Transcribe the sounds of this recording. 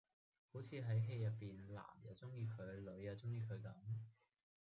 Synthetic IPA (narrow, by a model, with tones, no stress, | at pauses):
ho˨˥wt͡sʰiː˨˧ɦɐ˨˥jɦe˧jjɐ˨˩t̚pːiː˨nla̰ː˨˩mjɐ˨˧wt͡sʊ˥ŋjiː˧kʰɵ˨˧ɥlɵ˨˧˥ɥːaː˨˧t͡sʊ˥ŋjiː˧kʰɵ˨˧ɥk̪ɐ˨˥m